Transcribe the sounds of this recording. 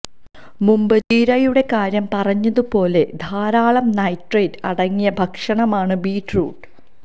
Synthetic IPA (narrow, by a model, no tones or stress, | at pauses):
mumbɨtiːɾɐjuɽe̞kaːɾjɐmpɐrɐɲːɐðupo̞ːle̞d̪ʱaːɾaːɭɐmnɐjʈreːdɐɽɐŋːijɐbʱɐkʂɐɳɐmaːɳɨbiːʈrṵːʈ